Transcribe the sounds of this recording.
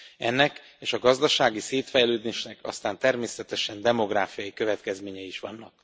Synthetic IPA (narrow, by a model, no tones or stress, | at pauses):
ɛ̰nːɛk | eːʃɒɡɒzd̪ɒʃaːɡiseːt̪fɛjløːd̪eːʃnɛkɒ̰st̪aːnt̪ɛrmeːsɛt̪ɛʃɛnd̪ɛmo̞ɡraːfijɒjikøvɛt̪kɛzmeːɲɛiiʃʋɒnːɒk̚